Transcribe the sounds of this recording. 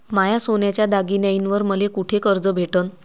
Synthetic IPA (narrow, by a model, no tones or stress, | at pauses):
majasonjat͡ɕjad̪aɡinjainʋəɾməlekuʈʰekəɾd͡zəbʱeʈən